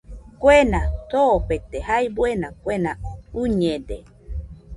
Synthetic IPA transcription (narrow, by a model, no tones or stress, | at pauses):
kʷenãt̪oːɸet̪ehajbwenãkʷenauɲẽde